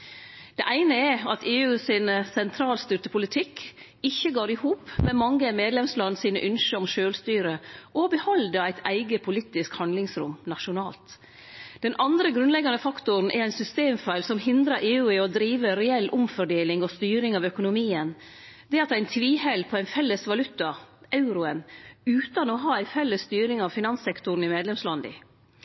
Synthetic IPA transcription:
d̪̥ɛʔæɪnəɛɑt̪ʰeːʉːsɪnsɛnt̪ʰɾɑːlst̪ʏɾt̪əpʰʊlɪt̪ʰɪk | ɪçːəɡɑːɾɪhuːpmɛmɑŋːəmeːd̪lɛmslɑnːəsiːnə̰ʔʏnʃəɔmʃøːlst̪yːɾəʔɔbəhɔld̪əɾæɪt̪ʰæ̰ɪɡəpʰʊliːt̪ɪskhɑnd̪lɪŋsɾʊ̰mnɑʂʊnɑːlt̪ | d̪̥ɛnʔɑnd̪ɾəɡɾʉnlɛɡɑnəfɑkt̪ʊɾn̩ʔɛ̰ɾæɪnsʏst̪eːmfæɪlsɔmɦɪnd̪ɾɑɾʔeːʉːɪɔd̪ɾiːʋəɾɛɛlːʔʊmfɔɖeːlɪŋɔst̪yːɾɪŋɑʋœkʊnʊmiːən | d̪ɛɑt̪æɪnt̪ʰʋiːhɛlpʰɔæɪnfɛlːəsʋɑlʉt̪ɑʔɑʉɾʊənʉːt̪ɑnɔɦɑːæɪfɛlːəst̪yːɾɪŋɑʋfɪnɑnsɛkt̪ʊɾn̩ɪmeːd̪lɛmslɑnd̪ɪ̰

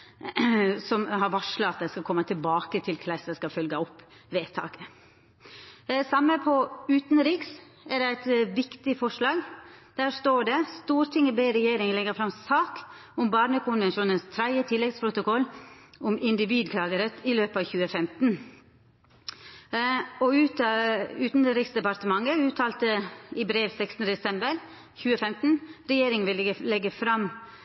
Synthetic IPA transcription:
sɔmɦɑɾʋɑʂləɑt̪̚d̪æɪskɑlkʰɔmːət̪ʰɪlbɑːkət̪ʰɪlkʰlæɪsəskɑfœlɡəɔpː | ʋeːt̪ʰɑ̰ːkə | sɑmːəpʰɔʉːt̪nɾiːks | ɛɖɛæɪt̪ʋɪkt̪ɪfɔʂlɑːɡd̪̥æːst̪oːɖɛst̪uːɾt̪ʰɪŋəbeɪɾɛjeːɾɪŋəlɛɡəɾfɾɑmsɑːk | ʊmbɑːɾɳəkʰʊnʋɛnʃuːnənst̪ʰɾæɪət̪ʰɪlːɛɡspʰɾʊt̪ʊkɔlːʊmɪnd̪ɪʋiːd̪kʰlɑːɡəɾət̪ɪløːpəɑːʋçʉːəfɛmt̪n̩ | ɔʉt̪ʉːt̪n̩d̪əɾɪksd̪ɛpɑɾt̪əmɑŋːəʉːt̪ʰɑːlt̪əɪbɾeːʋsɛkst̪n̩d̪əd̪ɛsɛmbəɾ | çʉːəfɛmt̪n̩ɾɛjeːɾɪŋənʋɪləlɛɡəfɾɑm

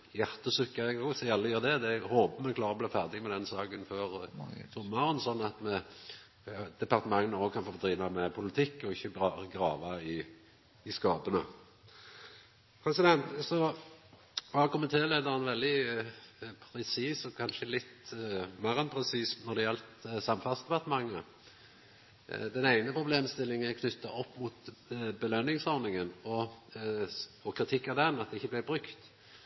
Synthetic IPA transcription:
jæʁt̪əsʉkːɑɛɡɔsɛɑlːəjøːʁd̪ɛd̪ɛhoːbəmɛnkʰlɑːʁəɔblæfæʁd̪ɪɡmɛd̪ɛnsɑːɡənføːʁsɔmːɑʁənsɔnːɑt̪mɛ | d̪̥ɛpɑʁt̪əmɑŋnəoːɡkʰɑnfoːd̪ʁiːʋɑmɛpʰʊlɪt̪ʰɪkːɔɪçːəɑɡɾɑːʋɑɪ | ɪskɑːbənə | fɑsəd̪ɛnsɔ | ʋɑkʰʊmənt̪ʰeːleːd̪əʁənʋɛld̪ɪ | pʰʁɛsiːsɔkʰɑnʃəlɪt̪mæʁənpʰɾɛsiːsnɔd̪ɛjɛlt̪sɑmfɑsd̪ɛpɑʁt̪əmɑŋːə | d̪ɛnæɪnəpʰʁʊbleːmst̪ɪlːɪŋəkʰnʏt̪ːɑʔɔpːmuːt̪bəlœnːɪŋsɔʁnɪŋənɔ | ɔkʰɾɪt̪ʰɪkːɑd̪ɛnɑt̪̚d̪ɛɪçːəblæɪbɾʁʉkt̪

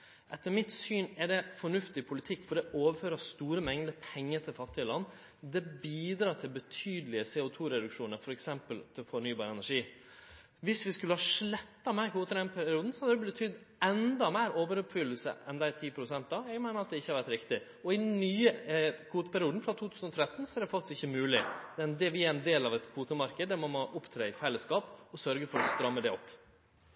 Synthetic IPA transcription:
ʔɛt̪ːəɾmɪt̪syːnɛɖɛfɔɳʉft̪ɪpʰʊlɪt̪ʰɪkːfɔɖ̪ɛʔoːʋəføːɾəst̪uːɾəmɛŋd̪əpʰɛŋːəɾt̪ʰɪlfɑt̪ːɪəlɑnː | d̪ɛbiːd̪ɾɑːʈ̪ʰɪlbət̪ʰyːd̪əlɪəsɛːʊt̪ʰuːɾɛd̪ʉkʂuːnəɾfɔɾɛksɛmpəlt̪ʰɪlfɔɳyːbɑːɾəɛnæʂiː | ʋɪsʋɪskʉləhɑʂɭɛt̪ːɑmæɪkʰuːt̪əɾɛnpʰæɾɪuːd̪n̩sɔhɑd̪əd̪ɛbbət̪ʰʏd̪ | ɛnd̪ɑmeːɾoːʋəɾʉpfʏlːəl̩sə̰ʔɛnd̪æɪt̪ʰiːpʰɾʊsɛnt̪d̪ɑjæɡmæɪnəɾɑt̪̚d̪ɛɪçːəhɑɾʋæɾʈ̪ɾɪkt̪ɪ | ɔɪnyːəkʰuːt̪əpʰæɾɪuːd̪n̩fɾɑt̪ʰuːt̪ʰʉːsn̩ɔt̪ʰɾɛt̪ːn̩sɔæɾd̪ɛfɑk̚t̪ɪst̪ɪçːəmʉːlɪd̪ɛnɛʋɪæɾɛnd̪eːlɑʋɛt̪kʰuːt̪əmɑɾkəd̪ːæɾmɑnmoːʔʊpt̪ʰɾeːɪfɛləskɑːpɔsœɾɡəfɔɾɔst̪ɾɑmːəd̪ɛɔpː

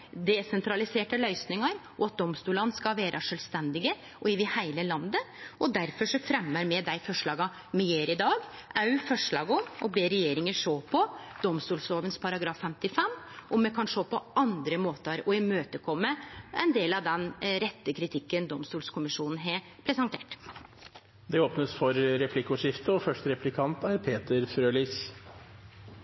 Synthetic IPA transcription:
d̪ɛsɛnt̪ʰɾɑlɪseːʈəlœʏsnɪŋɑɾ | ɔɑt̪̚d̪ɔmst̪uːlɑnskɑʋeːɾʔɑʂœlʋst̪ɛnd̪ɪɡə | ʔɔɪʋɪhæɪləlɑnd̪əɔd̪æɾfɔʂɔfɾɛmːəɾmɛd̪æɪfɔʂɭɑːɡɑ | mɛjeːɾɪd̪ɑːɡ | ɑʉfɔʂɭɑːɡɔmɔ̰beːɾɛjeːɾɪŋəʂoːpʰɔd̪ɔmst̪uːlsoːʋənspʰɑɾɑɡɾɑːfːɛmt̪ɪfɛmːʔɔmːɛkʰɑnʂoːpʰɔʔɑnd̪ɾəmoːt̪əɾɔɪmøːt̪əkʰɔmːəɛnd̪eːlɑʋd̪ɛnɾɛt̪ːəkʰɾɪt̪ʰɪkːənd̪ɔmst̪uːlskʰʊmɪʂuːnn̩ɦeɑ | pʰɾɛsɑnt̪ʰḛːʈ | d̪ɛoːpnəsfɔɾɾɛpʰlɪkːʊʂɪft̪əɔfœʂʈəɾɛplɪkʰɑnt̪æɾpʰeːt̪əɾfɾøːliːs

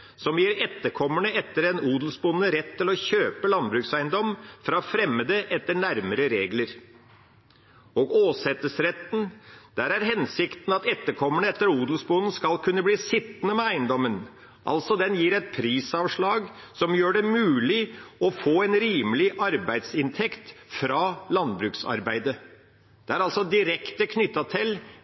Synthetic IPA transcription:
sɔmjiːɾɛt̪ːəɾkʰɔmːəɳəɛt̪ːəɾɛnuːd̪lsbʊnːəɾɛt̪ʰːɪlɔçøːpəlɑnbɾʉːksæɪnd̪ɔmfɾɑfɾɛmːəd̪əʔɛt̪ːəɳæɾməɾəɾeːɡləɾ | oːɡoːsɛt̪ːəsɾɛt̪n̩d̪̥æːɾæɾɦɛnsɪkt̪n̩ɑt̪ɛt̪ːəɾkʰɔmːəɳəɛt̪ːəɾuːd̪l̩sbʊnn̩skɑlkʰʉnːəbliːsɪt̪ːnəmɛæɪnd̪ɔmːən | ʔɑ̰lt̪sɔd̪ɛnjiːɾɛt̪̚pʰɾiːsɑːʋʂɭɑːɡ | sɔmjøːɖɛmʉːlɪɔfoːɛnɾiːməlɪʔɑɾbæɪd̪sɪnt̪ʰɛkt̪fɾɑːlɑnbɾʉːksɑ̰ɾbæɪd̪ə | d̪̥ɛæɾɑlsɔd̪ɪɾɛkt̪əkʰnʏt̪ːɑt̪ʰɪl

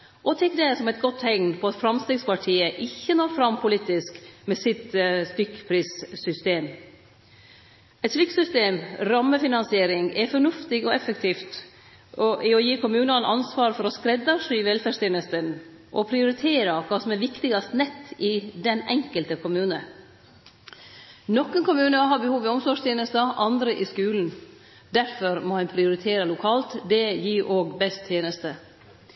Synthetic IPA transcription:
ʔɔt̪ʰɛkːd̪ɛsɔmɛɪt̪̚ɡɔt̪ːhɛŋnpʰɔɑt̪fɾɑmst̪eːɡspɑʈʰiːəʔɪçːənoːfɾɑmpʰʊliːt̪ɪskmɛsɪt̪st̪ʏkːpʰɾiːssʏst̪eːm | ɛt̪slʏkːsʏst̪eːmɾɑmːəfɪnɑnsɪeːɾɪŋɛfɔɳʉft̪ɪɡɔɛfəkt̪ʰiːft̪ | ɔʔɪɔjiːkʊmʉːnɑnʔɑnsʋɑːɾfɔɾɔskɾɛd̪ːɑʂʋɛlfæːst̪ʰeːnəst̪ən | ʔɔpʰɾɪʊɾɪt̪ʰeːɾɑkʰɑːsɔmɛɾʋɪkt̪ɪɡɑst̪nɛt̪ːɪd̪ɛnɛŋkəlt̪əkʰʊmʉːnə | nɔkːənkʊmʉːnəɦɑːbəhuːʋɪɔmsɔʂt̪ʰjeːnəst̪əʔɑnd̪ɾəʔɪskʉːln̩ | d̪æɾfɔɾmɔhɛnpʰɾɪʊɾɪt̪ʰeːɾəlʊkʰɑːlt̪d̪ɛjiːɾʔoːɡbɛst̪ʰjeːnəst̪ə

